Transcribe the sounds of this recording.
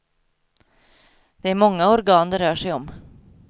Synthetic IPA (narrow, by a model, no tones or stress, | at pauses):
d̪̥ɛæɾmɔŋːaɔɾɡɑːnd̪ɛɾœːʂɛjɔm